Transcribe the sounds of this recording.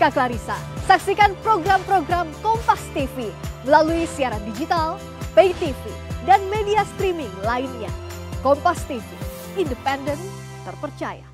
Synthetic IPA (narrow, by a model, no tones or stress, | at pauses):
kaklaɾisa̰saksikanpɾoɡɾampɾoɡɾamkɔmpast̪ifiməlaluisiaɾandid͡ʒit̪al | pejt̪ifi | danmediast̪ɾimɪŋlainɲa̰ | kɔmpast̪ifi | indəpɛndən | t̪ərpərt͡ʃaja̰